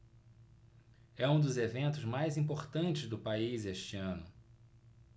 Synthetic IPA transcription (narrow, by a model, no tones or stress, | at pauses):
ɛũd̪ʊzevẽnt̪ʊzmajzĩpoɾt̪ɐ̃nt͡ʃɪzd̪ʊpaizeʃt͡ʃiɐ̃nʊ